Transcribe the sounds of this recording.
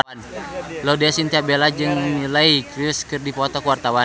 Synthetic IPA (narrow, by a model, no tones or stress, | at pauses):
nlodɛsint̪iapbelad͡ʒɨŋnilaikɾiskɨrdipɔt̪ɔkuwart̪awa